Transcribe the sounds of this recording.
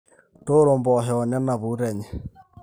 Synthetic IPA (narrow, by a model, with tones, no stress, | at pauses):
to˦ɾo˨mbɔ˨ɦɛ˨ɔ˨na˦na˨βu˦ɾɛ˨ɲɛ˨